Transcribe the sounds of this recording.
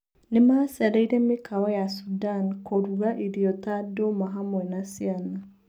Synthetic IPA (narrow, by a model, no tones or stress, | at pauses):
nemasaɾeiɾɛmekʰaɔjasudankoɾuɾaʔiɾiɔtadomaɦamwɛnasiana